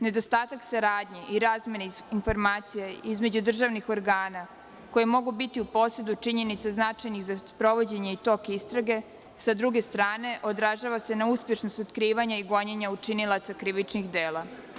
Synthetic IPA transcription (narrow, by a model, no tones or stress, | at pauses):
ne̞d̪o̞st̪aːt̪aksaɾaːd̪ɲeʔiɾaːzme̞neinfo̞ɾmaːt̪sijeizme̞d͡ʑud̪r̩ʒaʋnixo̞ɾɡaːna | ko̞jemo̞ɡubit̪iupo̞se̞d̪ut͡ʃiɲe̞nit̪saznat͡ʃajniɣzaspɾo̞ʋo̞d͡ʑe̞ɲe̞it̪o̞kist̪ɾaɡe̞ | sad̪ɾuɡe̞st̪ɾaːne̞ʔo̞d̪ɾaʒaʋase̞nauspje̞ʃnost̪ot̪kɾiːʋaɲaiɡo̞ɲeɲaut͡ʃinilˠat̪sakɾiʋit͡ʃnixd̪eːla